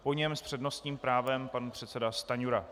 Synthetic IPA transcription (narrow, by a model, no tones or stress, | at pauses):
po̞ɲɛmspr̝̥ɛdno̞st̪ɲiːmpɾaːvɛmpanpr̝̥ɛt̪sɛdast̪aɲuɾa